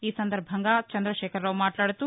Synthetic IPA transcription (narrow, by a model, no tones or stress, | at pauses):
iːsɐnd̪ɐɾbʱɐŋɡat͡ʃɐnd̪ɾɐʃeːkʰɐɾːɐʋmaːʈlaːɽut̪u